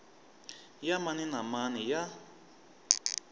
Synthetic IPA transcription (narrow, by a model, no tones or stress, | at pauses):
jamaninamanija